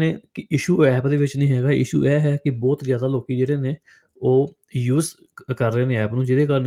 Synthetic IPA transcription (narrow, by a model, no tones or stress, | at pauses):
neːkɪɪʃuːɛːpd̪eːʋɪt͡ʃnĩːɦɛːɡaːʔɪ̰ʃṵːʔɛːɦɛːkɪbɔːt̪zjaːd̪aːloːkiːd͡ʒeːɽeːneː | oː | juːz | kəɾːẽːnẽːɛːpnũːd͡ʒɪd̪eːkəɾn